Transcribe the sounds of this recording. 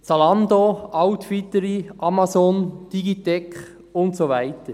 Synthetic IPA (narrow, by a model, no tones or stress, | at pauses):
t͡sɑlɑnd̪oɑʊt̪fit̪əɾiʔɑmasond̥iɡit̪ɛkχ | ʊnt̪soʋæɪt̪ə